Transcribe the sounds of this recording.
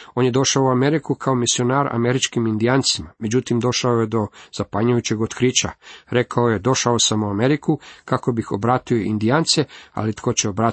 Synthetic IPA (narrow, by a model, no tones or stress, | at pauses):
o̞ːnje̞d̪o̞ʃaouame̞ɾikukʰao̞misio̞naːɾa̰me̞ɾit͡ʃkimind̪iaːnt̪simame̞d͡ʑut̪imd̪o̞ʃaoje̞d̪o̞z̥apaɲujut͡ɕe̞ɡo̞t̪kɾiːt͡ɕaɾe̞kao̞je̞d̪o̞ʃao̞samuame̞ɾikukako̞bixobɾaːt̪io̞ind̪iaːnt̪sea̰lit̪ko̞t͡ɕeobɾa